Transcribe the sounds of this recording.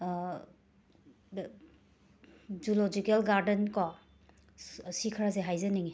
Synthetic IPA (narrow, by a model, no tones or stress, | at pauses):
d͡ʒulod͡ʒikelɡaɾdɐnkɔ | sikʰɾazeɦajzɐniŋi